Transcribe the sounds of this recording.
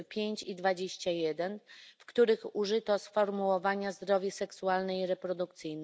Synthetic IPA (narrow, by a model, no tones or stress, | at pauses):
pʲjeɲt͡ɕid̪vad͡ʑeɕt͡ɕajɛd̪ɛnfkt̪uɾɘxuʐɘt̪ɔsfɔɾmuwɔvaɲazd̪ɾɔvʲjɛsɛksualnɛiɾɛpɾɔd̪uk̚t̪sɘjn